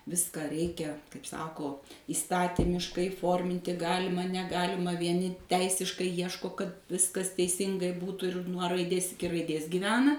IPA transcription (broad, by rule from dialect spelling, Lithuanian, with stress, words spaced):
ˈʋʲɪskɐ ˈrʲɛɪkʲɛ kɐɪp ˈsɑːkoː iːˈstɑːtʲɪmʲɪʃkɐɪ ˈfoːrʲmʲɪnʲtʲɪ ˈɡɑːlʲɪmɐ nʲɛˈɡɑːlʲɪmɐ ʋʲiɛˈnʲɪ ˈtʲɛɪsʲɪʃkɐɪ ˈjiɛʃkoː kɐt ˈʋʲɪskɐs tʲɛɪˈsʲɪŋɡɐɪ ˈbuːtʊ ɪr nuɔ rɐɪˈdʲeːs ɪˈkʲɪ rɐɪˈdʲeːs ɡʲɪˈʋʲæːnɐ